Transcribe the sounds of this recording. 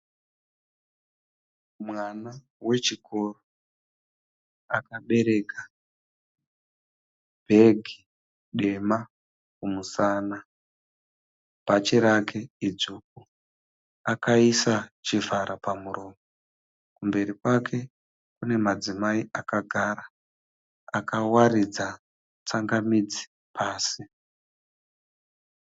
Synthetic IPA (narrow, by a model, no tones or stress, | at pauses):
mwana | we̞t͡ʃikʰo̞ro | akaɓe̞ɾe̞ka | b̥ʱe̞ɡʱi | ɗe̞ma | kumusaːna | pat͡ʃeɾakʰe̞id͡zuːk̚u | akaisat͡ʃivaɾapamurʔoːmo | kumbe̞ɾikwakʰe̞ | kune̞mad͡zimaiʔakaɡʱaːɾa | akawaɾid͡za | t͡saŋɡamid͡zi̥ | pʰaːsi